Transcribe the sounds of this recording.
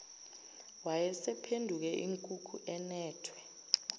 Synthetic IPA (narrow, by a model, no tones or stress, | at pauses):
wajɛsɛpʰendʱuk̬ɛʔiŋkʼukʰuʔɛnɛːtʰwɛ